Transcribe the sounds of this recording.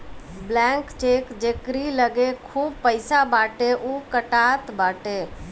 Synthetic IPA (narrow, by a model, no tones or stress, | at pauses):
blɛ̃ːŋkt͡ʃeːkd͡ʒeːkɾiləɡekʰuːb̚pəɪsabaːʈeʔuːkəʈaːt̪baːʈeː